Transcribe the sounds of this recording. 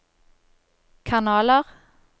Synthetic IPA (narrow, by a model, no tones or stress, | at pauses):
kʰɑnɑːləʁ